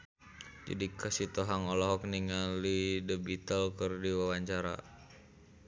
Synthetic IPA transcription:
d͡ʒa̰dikəsit̪oɦaŋɔlɔɦɔk̚niŋalidəbit̪əlkərdiwawaɲt͡ʃaɾa̰

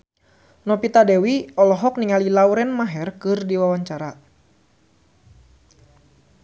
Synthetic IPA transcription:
nɔpit̪adɛwiɔlɔɦɔk̚niŋalilawɾɛnmaɦɛrkɨrdiwawaɲt͡ʃaɾa

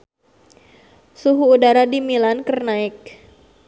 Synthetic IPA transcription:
suɦuːdaɾadimilankərnaɪk̚

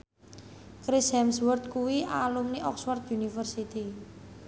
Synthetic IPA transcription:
kɾɪshɛmswərt̪̚kuwiʔalumniʔɔkswɔrt̪̚junifərsit̪i

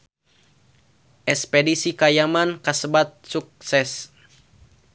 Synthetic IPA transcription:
ʔɛspɛdisikajamankasəbat̪̚suk̚sɛs

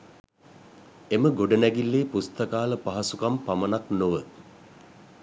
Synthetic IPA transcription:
eməɡoɖənæɡilːeːpust̪əkaːləpaɦasukampamənaknoʋə

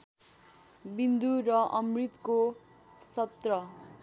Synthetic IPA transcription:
bind̪uɾʌʔʌmrit̪ko | sʌt̪rʌ

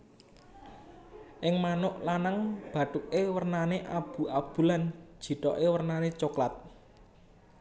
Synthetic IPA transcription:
ʔɪŋmanʊʔlanaŋb̥ä̤ʈuk̚ewərnaneʔab̥ṳʔab̥ṳlan̥ʒ̥i̤t̪ɔ̰ʔewərnanet͡ʃoklat̪̚

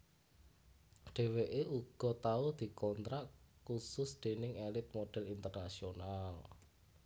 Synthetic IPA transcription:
ɖ̥e̤weʔeuɡ̥ɔ̤t̪aud̪̥i̤kɔnt̪ɾaʔkusʊsd̪̥e̤nɪŋelɪt̪̚moɖ̥ɛ̤lint̪ərnasional

